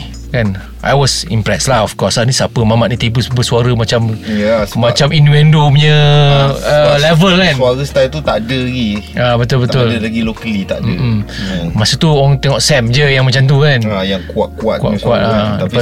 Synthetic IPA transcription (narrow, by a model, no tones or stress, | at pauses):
kan | ʔa̰jwɔsimpɾɛslahɔfkɔsanisapəmamaʔ̚nĩt̪ibəsbəsuaɾəmat͡ʃamamat͡ʃaminvɛndomɲə | əlɛvəlkasnuaɾəst̪ajlt̪ut̪adəlaɡiabət̪ʊlbəʊldəlaɡilokəlit̪a̰ʔdəmmasət̪uɔŋt̪ɛŋɔʔsɛmd͡ʒəjaŋmat͡ʃamt̪̬ukanajaŋkuat̪̚kua̰t̪̚kuwa̰ʔkua̰t̪a